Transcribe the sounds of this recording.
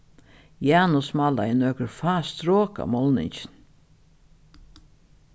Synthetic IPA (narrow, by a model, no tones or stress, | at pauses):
jæːnʊsmala̰ɪnœkəɾfaːst̪ɾoːka̰mɔlnɪ̰ɲt͡ʃɪn